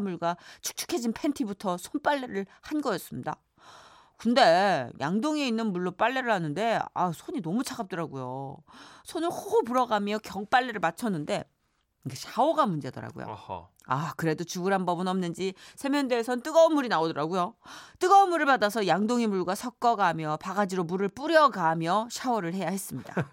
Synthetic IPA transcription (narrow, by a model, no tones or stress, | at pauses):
muɭɡat͡ɕʰu̥k̚t͡ɕʰu̥kʰe̞d͡ʑinpʰentʰibutʰʌsʰonp͈aɭːe̞ɾɯɭhanɡʌjʌs͈ɯmɲida̰ | kunde̞jʔa̰ŋdoŋeinːɯnmuɭːop͈aɭːe̞ɾɯɭhanɯnde̞a̰sʰoɲinʌmut͡ɕʰaɡap̚t͈ʌɾaɡujo | sʰonɯhoop̬uɾʌɡamjʌkjʌŋp͈aɭːe̞ɾɯɭmat͡ɕʰʌnːɯnde̞ | iɡeɕʰaoɡamund͡ʑedʌɾa̰ɡṵjo̰ | akɯɾe̞dot͡ɕuɡɯɾɦanbʌbɯnʌmnɯnd͡ʑisʰe̞mjʌndeːsʰʌnt͈ɯɡʌɯmuɾinaodʌɾaɡujot͈ɯɡʌɯmuɾɯɭpadasʰʌjaŋdoŋemuɭɡwasʰʌk̚k͈ʌɡamjʌpaɡad͡ʑiɾomuɾɯɭp͈uɾjʌɡamjʌɕʰaoɾɯɭhe̞jahe̞s͈ɯmɲida̰